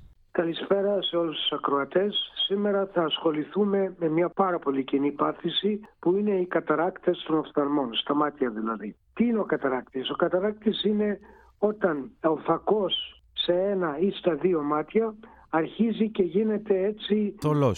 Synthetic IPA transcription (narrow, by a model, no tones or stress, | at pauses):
kɐlispe̞ɾɐse̞o̞lust̪u̥sɐkɾo̞ɐt̪e̞sːime̞ɾɐθɐːsxo̞liθume̞me̞mɲɐpɐɾɐpo̞licinipɐθisipuine̞ikɐt̪ɐɾɐkt̪e̞st̪o̞nɐft̪ɐlmo̞nst̪ɐmɐt̪çɐðilɐðit̪iineo̞kɐt̪ɐɾɐk̚t̪iso̞kɐt̪ɐɾɐk̚t̪isine̞ | o̞t̪ɐno̞fɐko̞sː | e̞e̞nɐist̪ɐðio̞mɐt̪çɐː | ɾçizice̞ʝine̞t̪e̞e̞t͡siolo